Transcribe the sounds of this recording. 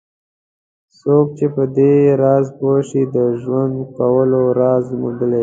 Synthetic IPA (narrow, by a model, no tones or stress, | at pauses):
sok̚t͡ʃepəd̪eɾɑzpoʃid̪əʒwand̪kawəloɾɑzmṵd̪əle